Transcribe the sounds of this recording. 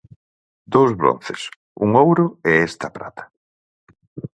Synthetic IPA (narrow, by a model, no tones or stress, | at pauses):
d̪owzβɾo̰n̟θḛs | uŋowɾʊeɛst̪ɐpɾa̰t̪ʰḁ